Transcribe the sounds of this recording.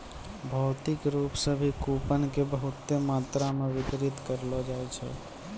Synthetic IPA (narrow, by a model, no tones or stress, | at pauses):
bʱəʊt̪ikɾupsəbʱikupənkebəɦut̪ːemat̪ɾameʋik̪ɾit̪kəɾlɔd͡ʒaɛt͡ʃʰɛ̰